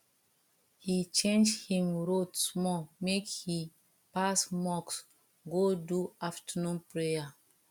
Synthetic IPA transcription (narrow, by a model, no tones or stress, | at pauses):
hit͡ʃẽnd͡ʒhĩmɹodsmɔmekhi | pasmɔks | ɡoduaftənũnpɹeja